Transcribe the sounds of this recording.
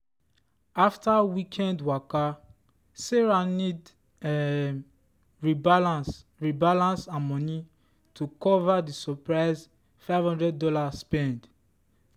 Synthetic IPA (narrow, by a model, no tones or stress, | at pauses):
aftawikʰɛ̃ndwaka | seɹanid | ɹialas | ɹibalãnsãmɔ̃ni | tʰukɔvadisɔpɹaɪz | faɪvhɔ̃ndɹɛddɔlaspɛ̃nd